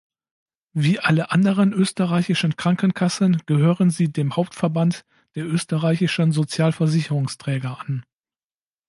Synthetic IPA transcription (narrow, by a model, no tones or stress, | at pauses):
viːʔaləʔandəʁənʔøːstəʁaɪçɪʃən̩kʁ̥aŋkənkʰasənɡ̥əɦøːʁənziːdeːmhaʊp̚tfɛɐbant | d̥eːɐʔøːstəʁaɪçɪʃənzot͡sjaːlfɛɐzɪçəʁʊŋstʁ̥ɛːɡɐʔan